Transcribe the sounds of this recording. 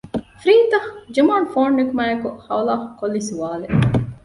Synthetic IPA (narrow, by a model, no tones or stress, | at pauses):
fɾiːnt̪ɐhd͡ʒimaːɳfoːɳːekumaːjekuhɐʋɐlaːhkːolːisuʋaːle